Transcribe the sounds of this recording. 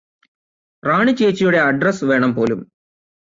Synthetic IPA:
raːɳit͡ɕːeːt͡ɕːɐjuɽe̞ɐɖrɐsʋe̞ːɳɐmpo̞ːlum

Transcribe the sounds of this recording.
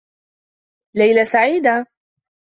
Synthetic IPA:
lajlasaʕiːd̪a

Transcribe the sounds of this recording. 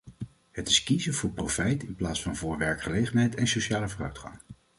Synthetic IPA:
ɦətɪ̥skizəvʊːɹprofɛjtɪnplaːtsfɑnvʊːɹʋɛɹkχəlejχənɦɛjtɛnsoʃaːləvʊːrœ̰ɥtχɑ̰ŋ

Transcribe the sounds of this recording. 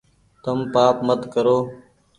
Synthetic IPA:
t̪əmpaːpmət̪kəɾoː

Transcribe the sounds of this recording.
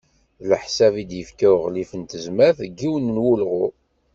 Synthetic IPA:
ləħsævid̪jəfkæwʁlifənt̪əzmæθɡːiwənənwulʁʊ

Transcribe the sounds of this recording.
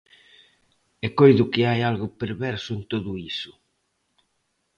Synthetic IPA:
ekojðʊkɪajalɣʊpeɾβɛɾsʊent̪oðʊisʊ̥

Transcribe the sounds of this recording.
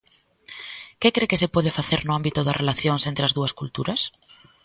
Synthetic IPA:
kekɾekɪsɪpɔð̞ɪfaθeɾnʊambit̪ʊðɐrʔelaθjoŋsent̪ɾeɐzðuɐskult̪uɾɐs

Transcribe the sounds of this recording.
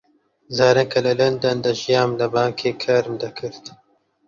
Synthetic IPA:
zɑːɾɐkɐlɐlɐnd̪ɐnd̪əʒijɑːmlabɑːŋkʰekʰaɾmd̪ɐkʰəɾt̪

